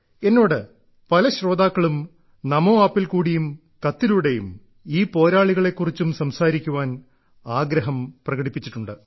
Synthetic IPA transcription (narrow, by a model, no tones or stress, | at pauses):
e̞nːo̞ːɽɨ | pɐlɐɕro̞ːd̪aːkːɐɭum | nɐmo̞ːaːpːilkuːɽijum | kɐt̪ːiluɽejum | iːpo̞ːɾaːɭiɣɐɭe̞kːurit͡ɕːumsɐmsaːɾikʲːuʋaːn | aːɡɾɐɦɐmprɐɣɐɽipːit͡ɕːiʈːuɳɖɨ